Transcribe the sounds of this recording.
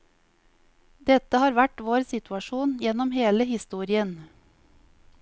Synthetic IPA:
d̪ɛt̪əhɑːɾʋæʈʋoːɾsɪt̪ʉɑʃuːnjɛnɔmheːləhɪst̪uːɾɪən

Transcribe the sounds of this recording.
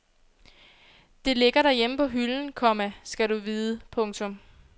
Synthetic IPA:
d̥e̝le̝ɡ̥ɐɾæjeməpʰɒ̽ɦyln̩kʰɒ̽mæsɡ̥æɾuʋiːðˠəpʰɔ̽ŋt͡sʰɔ̽m

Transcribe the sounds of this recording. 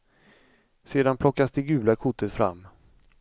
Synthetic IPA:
seːd̪anpʰlɔkːasd̪ɛɡʉ̟ːlakʰʊt̪ːət̪fɾa̰mː

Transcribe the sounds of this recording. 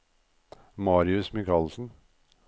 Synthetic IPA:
mɑːɾɪʉsmɪkʰɑːlsn̩

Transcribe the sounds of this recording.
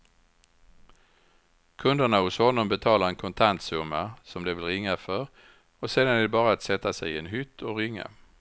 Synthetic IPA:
kʰɵnd̪əɳahʊshɔnːɔmbɛt̪ʰɑːlaɾɛnkʰɔnt̪ʰant̪sɵmːasɔmd̪ɛvɪlɾɪŋːafœɾ | ɔseːd̪anæɖɛbɑːɾaat̪sɛt̪ːasɛɪɛnɦʏt̪ʰːɔɾʏŋːa̰

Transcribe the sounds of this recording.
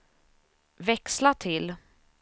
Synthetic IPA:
vɛkslat̪ʰɪl

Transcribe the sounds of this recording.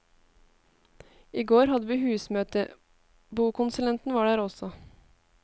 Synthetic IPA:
iːɡoːɾhɑd̪əʋiːhʉːsmøːt̪ə | buːkʊnsʉlɛnt̪n̩ʋɑːɖæːɾɔsɔ

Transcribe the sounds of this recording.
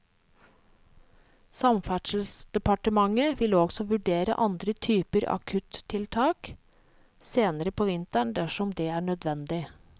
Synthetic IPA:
sɑmfæʈʂəl̩sd̪̥ɛpɑʈəmɑŋəʋɪlɔɡsɔʋʉɖeːɾə̰ʔɑnd̪ɾət̪ʰyːpəɾɑ̰kʰʉt̪ʰːɪlt̪ʰɑːk | seːnəɾəpʰoːʋɪnt̪æɳd̪æʂɔmd̪ɛːæːɳœd̪ʋɛnd̪ɪ

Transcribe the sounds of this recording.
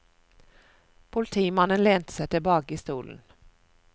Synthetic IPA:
pʰʊlɪt̪ʰiːmanːənleːnt̪ə̥sɛt̪ːəbɑːɡɪst̪uːlə̰n

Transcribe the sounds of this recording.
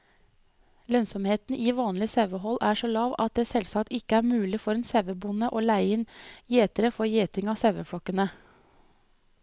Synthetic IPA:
lœnsɔmheːt̪n̩ʔiːʋɑːnlɪseːʋəɦɔlːʔæːʂoːlɑːʋɑt̪̚d̪eːsɛlsɑkt̪ɪkəæːɾmʉːlɪfɔɾɛnseːʋəbʊnəʔoːlæɪənjeːt̪əɾəfɔɾjeːt̪ɪŋɑːseːʋəfɽɔkːənə

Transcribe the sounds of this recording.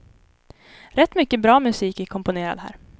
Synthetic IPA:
ɾɛt̪ːmʏkːəbɾɑːmɵsiːkækʰɔmpʊneːɾa̰d̪hæ̰ːɾ

